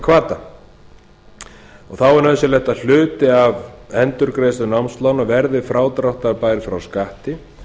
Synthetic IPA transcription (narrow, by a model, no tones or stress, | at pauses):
kʰvaːt̪a | ɔɣθawɛɾnaðʏsjɛlɛjht̪aðl̥ʏːt̪ɪavɛnt̪ʏɾkɾeːjsʏnawmst̪lawnɔɣvɛɾðɪfɾaːwt̪ɾawht̪apaːjɾfɾawskaht̪ɪ